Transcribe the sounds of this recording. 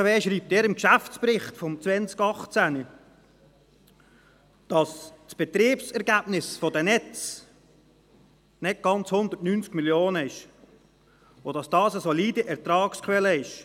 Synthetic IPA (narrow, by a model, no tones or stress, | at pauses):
ʋeːʃɾiːp̚tɛːɾɪmkʃæft͡spɾɪχtfɔmt͡sʋɛnt͡skɑχt͡sæni | d̥ɑssb̥ɛt̪ɾiːpsɛɾɡæːb̥nɪsfɔdənɛt͡s | nɛt̚ɡ̥ɑnt͡shʊnd̪ətnynt͡skmiljoːnəɪʃ | odɑsd̥ɑːsəsɔliːdəʔɛɾt̪ɾɑːkskχwɛləɪʃ